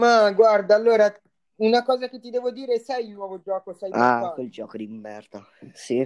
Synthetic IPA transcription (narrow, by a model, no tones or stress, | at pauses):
maɡward̪aːlːoːɾa | unakɔːzaket̪ːid̪ɛːvod̪iːɾesɛjlnwɔːvod͡ʒɔːkosɛjaakweld͡ʒɔːkod̪imːɛrt̪a | si